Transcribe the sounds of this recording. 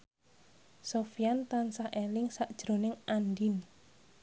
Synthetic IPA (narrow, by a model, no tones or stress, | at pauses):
sofijant̪ansaelɪŋsaʔd̥ʒ̥ɾo̤nɪŋʔandin